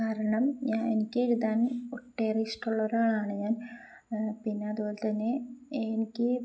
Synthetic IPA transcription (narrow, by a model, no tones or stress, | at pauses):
kaːɾɐɳɐmɲaːnenikʲːeɾuðaːnuʈːeːriisʈːuɭːɐoɾaːɭaːɳɨɲaːn | pinːe̞ɐðuboːlett̪ɐnːe̞nikʲːɨ